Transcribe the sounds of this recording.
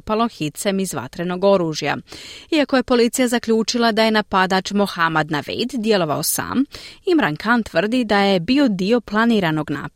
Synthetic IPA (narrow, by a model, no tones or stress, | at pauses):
palo̞xit̪semizʋa̰t̪ɾe̞no̞ɡo̞ɾuːʒja̰iako̞je̞po̞lit̪sijazakʎʲuːt͡ʃilˠad̪aje̞napad̪at͡ʃmoxamad̪naʋḛjd̪ːje̞lˠo̞ʋaosa̰ːmimɾaŋkʰant̪ʋr̩d̪id̪aje̞bio̞d̪io̞plˠaniːɾano̞ɡna̰ː